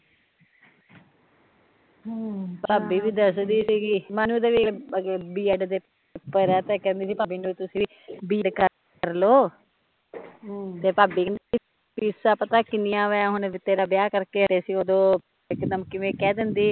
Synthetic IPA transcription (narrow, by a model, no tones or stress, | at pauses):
paːbiːʋiːd̪əsd̪iːsiːkɪmɛ̃ːnũːd̪eːʋibiːɛɖd̪eː | pəɾɛːt̪eːkɛ̃ːnd̪iːsiːpaːbiːnũːt̪ʊsiː | biːɖkəɾ | əɾloː | t̪eːpaːbiːnd̪ei | piːsaːpət̪aːkɪnɪjãːʋɛːɦʊnʋɪt̪ːeːɾaːbjaːkəɾkeːɦəɾeːsiːoːd̪õː | ɪkd̪əmkɪʋẽːkɛːd̪ɪnd̪iː